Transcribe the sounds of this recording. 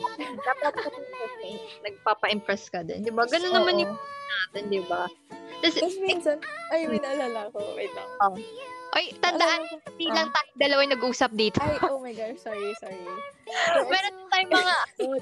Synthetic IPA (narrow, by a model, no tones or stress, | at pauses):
d̪apɐt̪̚ɐt̪uɐt̪nɐɡ̚paːpɐʔɪmpɹɛskɐd̪ɛ̰nd̪ɪbaɡɐnonːɐmanjɪŋpnaːt̪ɛnd̪ɪba | t̪ɐsmnsɐnʔɐjmɪnɐlalakoɛ̰lɐoʔojt̪ɐnd̪ɐʔankoɐd̪iːlɐŋt̪aːjoŋd̪ɐlɐwajnɐɡʔuːsɐp̚d̪iːt̪ojʔomɐjɡaʃsɔɹisɔɹi | mɛːɾonʊt̪aːjʊŋmɐŋa